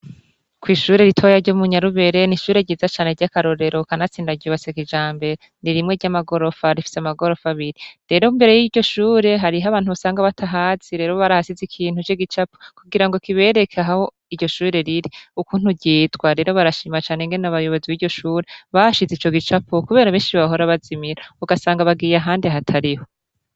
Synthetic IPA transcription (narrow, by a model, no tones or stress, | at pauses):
kwiːʃuːɾe̞ɾitʰojaɾɟomuɲaɾuβe̞ɾe̞niʃuːɾe̞ɟiːzat͡ʃaːneɾɟakaɾo̞ɾe̞ɾo̞kanat͡siːndaɟuβasekiʒaːmbe̞ | niɾimŋe̞ɾɟamaɡo̞ɾo̞faɾifi̥seamaɡo̞ɾo̞faβiɾiɾe̞ɾo̞imbe̞ɾe̞jiɾɟo̞ʃuːɾe̞ɦaɾiɦaβaːn̥huβusaːŋɡaβatʰaɦaziɾe̞ːɾo̞βaɾahasizikʰiːn̥hut͡ʃeɡit͡ʃapo̥kuɡiɾaŋɡo̞kiβe̞ːɾekʰaɦaho̞ | iɟo̞ʃuːɾe̞ɾiɾiukuːn̥huɟiːtɡwaɾe̞ːɾo̞βaɾaʃiːmat͡ʃaːneŋɡe̞nenaβajo̞βo̞ziβiːɾɟo̞ʃuːɾe̞βaaʃizet͡ʃo̞ɡit͡ʃapʰokuβe̞ːɾaβiːnʃiβaɦo̞ɾaβazimiɾauɡasaːŋɡaβaɡiːjaɦaːndeɦatʰaɾiho̞